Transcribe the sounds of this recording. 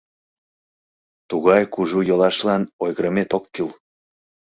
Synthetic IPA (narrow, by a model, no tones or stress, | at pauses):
t̪uɣɑjkuʒujolɑʃlɑnojɣəɾəmet̪okːyl